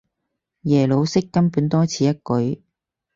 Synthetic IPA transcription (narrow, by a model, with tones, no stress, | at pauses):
jɛː˨˩lo˨˧wsɪ˥kːɐ˥npuː˨˥nt̪ɔː˥t͡sʰiː˨˥jɐ˥t̚kɵ˨˥ɥ